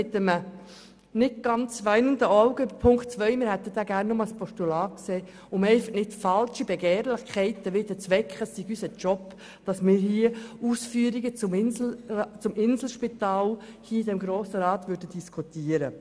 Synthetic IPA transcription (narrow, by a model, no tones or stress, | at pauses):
ɪt̪əmə | nɪt̚ɡ̥ɑnt͡sʋæɪnəndəʔaʊɡ̥əybəɾpʰʊŋkχtt͡sʋœʏmɪːɾhɛt̪ːəd̥̪æːɡæːɾnːʊmɑlspʰɔʃtulɑːkseː | ʊmɛɪfəχnɪtfɑlʃibɛɡɛːɾlɪχkʰɛɪt̪əʋɪd̥̪ət͡sʋɛkχəsiɡysət͡ʃɔp | d̥ɑsmɪːɾɦiəuːsfyəɾiɡət͡sʊmɪnlt͡sʊmʔɪnzl̩ʃpit̪ɑːl | hiːdɛmɡɾoːsəɾɑːt̪ʋʏɾdəd̥iskʰut̪iəɾə